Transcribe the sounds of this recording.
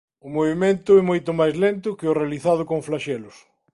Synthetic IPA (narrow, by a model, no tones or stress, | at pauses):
ʊmoβemẽnt̪ʊɛmojt̪ʊmajzlent̪ʊkɪʊrealiθað̞ʊkoŋflaʃɛlʊs